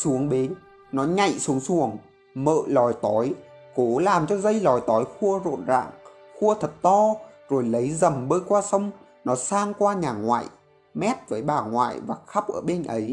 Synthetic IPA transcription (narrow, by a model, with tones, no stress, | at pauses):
su˨˦əŋɓe˨˦n | nɔ˨˦ɲa̰˧˨jsu˨˦əŋsu˨˩əŋ | mə̰ː˧˨lɔ˨˩jt̪ɔ˨˦j | ko˨˦laː˨˩mt͡ɕɔ˧zə˧jlɔ˨˩jt̪ɔ˨˦jxu˧əzo̰˧˨nza̰ː˧˨ŋ | xu˧ət̪ʰə˨˩t̚t̪ɔ˧zo˨˩jlə˨˦jzə˨˩mɓəː˧jkwaː˧sə˧wŋ͡m | nɔ˨˦saː˧ŋkwaː˧ɲaː˨˩ŋwa̰ː˧˨j | mɛ˦˥t̚vəː˨˦jɓaː˨˩ŋwa̰ː˧˨jvaː˨˩xa˦˥p̚ʔəː˧˩ɓe˧nʔə˨˦j